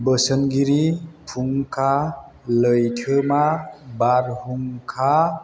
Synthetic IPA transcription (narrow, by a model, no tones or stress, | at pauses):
bəsənɡiɾipʰuŋkʰa | ləjtʰɯmabaɾhuŋkʰa